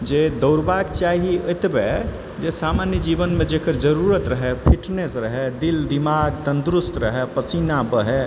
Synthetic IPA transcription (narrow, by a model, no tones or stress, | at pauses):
d͡ʒed̪əʊɾbakt͡ʃaɦiəjt̪be | d͡ʒesamanjəd͡ʒibənmed͡ʒekəɾd͡ʒəɾuɾət̪ɾəɦɛpʰiʈnesɾəɦɛd̪ild̪imaɡt̪ənd̪ɾust̪ɾəɦɛpəsinabəɦɛ